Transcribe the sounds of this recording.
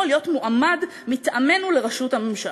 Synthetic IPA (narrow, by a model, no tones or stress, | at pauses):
lijo̞tmuʔamad | mitʔame̞nule̞ʁaʃuthamemʃa